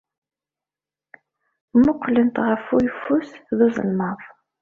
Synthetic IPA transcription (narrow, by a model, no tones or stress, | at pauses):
mʊqʰːlənt̪ʁəfujfusðuzə̰lmɑðˤ